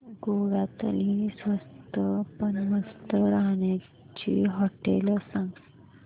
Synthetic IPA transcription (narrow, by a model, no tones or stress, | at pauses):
ɡoɽat̪əlisʋəst̪əpənməst̪əɾaɦɳja | t͡ɕiːɦɔʈḛləsãŋɡ